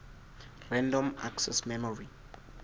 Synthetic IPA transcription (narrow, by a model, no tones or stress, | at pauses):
rɛ̃ndɔ̃ma̰ksɛsmɛmɔɹi